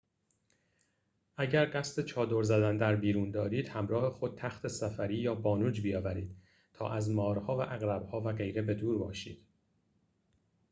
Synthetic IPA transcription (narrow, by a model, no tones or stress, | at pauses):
ʔæɟæɾɢæst̪et͡ʃʰɒːd̪o̞ɾzæd̪ænd̪æɾbiːɾuːnd̪ɒːɾiːd̪̥hæmɾɒːhe̞xo̞d̪̚t̪ʰæxt̪ʰe̞sæfæɾiːjɒːbɒːnuːd͡ʒbijɒːvæɾiːd̪̥ | t̪ʰɒ̰ːʔæzmɒːɾhɒːvæʔæɣɾæbhɒːvæɣe̞jɾe̞be̞d̪uːɾbɒ̰ːʃiːd̪̥